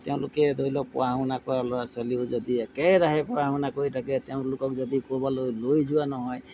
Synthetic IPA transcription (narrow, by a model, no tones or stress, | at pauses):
t̪eʊ̃lʊkɛd̪ʱoilɔpɔ̰ɹaʊnakɔɹalɔasɔliʊzɔd̪iɛkɛjɾaɦɛpɔɹaɦʊ̃nakoɹitʰakɛt̪eʊ̃lʊkɔk̚zɔd̪ikɔbalojlojzuanɔɦɔj